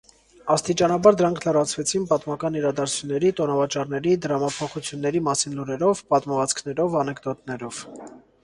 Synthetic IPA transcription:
ɑst̪it͡ʃɑnɑbɑɾd̪əɾɑŋkʰlərɑt͡sʰvɛt͡sʰinpɑt̪mɑkɑniɾɑd̪ɑɾt͡sʰjunːɛɾit̪ɔnɑvɑt͡ʃɑrnɛɾid̪əɾɑmɑpʰɔχut͡sʰjunːɛɾimɑsinluɾɛɾɔvpɑt̪məvɑt͡skʰnɛɾɔvɑnɛɡd̪ɔt̪nɛɾɔv̥

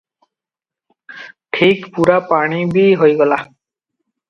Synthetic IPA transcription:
ʈʰikpuɾapaɽ̃ibiɦojɡɔla

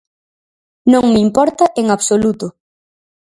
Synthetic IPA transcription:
nõŋmimpɔɾt̪aʔeŋaβsolut̪ʊ

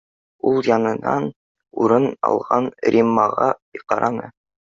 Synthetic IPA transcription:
ulˠjɑnɤ̆nɑn | uɾɤnɑ̰lˠʁɑnɾʲimːɑʁɑqɑɾɑnɤ

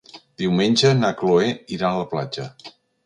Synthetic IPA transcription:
d̪̥iwmenʲd͡ʒənakloeiɾanələpla̰d͡ʒə

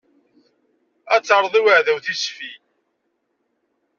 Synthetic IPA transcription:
æt͡sːəɾˤðˤiwəʕðæwθisfi

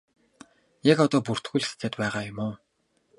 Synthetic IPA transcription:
jakɔt̪ɔːpur̥t̪ɡuːɮsʰt͡sæːt̪pæːʁaːjʊmoː

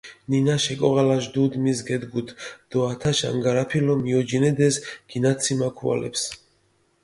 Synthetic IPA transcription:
ninaʃɛkʼɔʁalaʒd̪ud̪misɡɛd̪ɡut̪ʰd̪̥ɔat̪ʰaʃa̰ŋɡaɾapʰilɔmiɔd͡ʒinɛd̪ɛsɡ̥inat̪sʰimakʰua̰lɛ̰ps

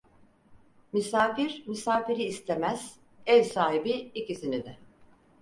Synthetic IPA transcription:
mysaːfiɾmisaːfiɾiːst̪ʰemæz̥ | ɛlʲsaːɦibiicisinid̪ɪ

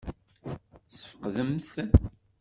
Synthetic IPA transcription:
sə̥fə̥qðəmθ

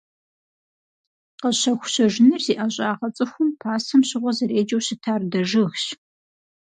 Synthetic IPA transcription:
qəɕɐxʷʊ̥ɕɐʒnɨrziːʔaɕʼaːʁɐt͡sʼɨxʷʊmpʰaːsɐmɕɪʁʷɔzɐɾeːd͡ʒɐwɕɪtʰaːrdɐʐɨɣɕ

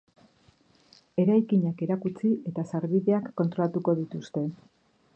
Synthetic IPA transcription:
e̞ɾajkiɲake̞ɾakut͡siʔe̞t̪asaɾβiðe̞akːo̞nt̪ɾo̞lat̪uko̞ðit̪ust̪e̞

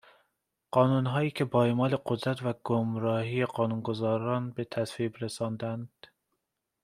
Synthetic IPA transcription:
ɢ̥ɒːnuːnɦɒːiːkʰʲebɒːemɒːle̞qod̪ɾæt̪væɡ̥omɾɒːhiːjeqɒːnunɡozɒːɾɒːnbe̞t̪ʰæsvibɾesɒːnd̪ænd̪̥

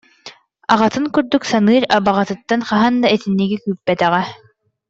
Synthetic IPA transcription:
aʁat̪ɯŋkyɾd̪yksanɯːɾabaʁɑt̪ɯt̪ːanχaɦand̪aɛt̪inːiɡikyːpːɛt̪ɛʁɛ

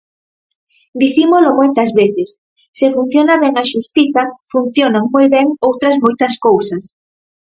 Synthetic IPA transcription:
d̪iθimʊlomojt̪ɐzβeθɪsː | efun̟θjonɐβɛŋɐʃust̪iθɐfun̟θjonaŋmojβɛŋowt̪ɾɐzmojt̪ɐskowsɐs

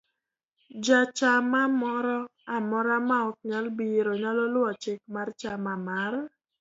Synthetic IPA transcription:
d͡ʒat͡ʃamamɔɾɔamɔɾamaɔk̚ɲalbiɾoɲalɔlɔt͡ʃɪk̚mart͡ʃamamar

